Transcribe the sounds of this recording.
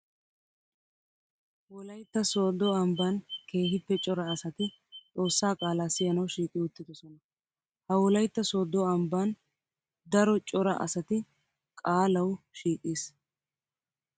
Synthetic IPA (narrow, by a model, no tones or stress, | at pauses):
wɔlɐjt̪ːɐsoːd̪ɔɐmbankʰe̞ːɦɪpːɛt͡ʃʼɔɾɐːsɐt̪ɪ | t͡sʼo̞ːsːaːkʼaːlaːsɪjɐnɐwʃiːkʼːɪʊt̪ːɪd̪ɔsɔnɐ | hɐwɔlɐjt̪ːɐsoːd̪ɔɐmbaːn | d̪ɐɾɔt͡ʃʼɔɾɐ̰ʔɐ̰sɐt̪ɪ | kʼaːlɐwʃiːkʼːiːs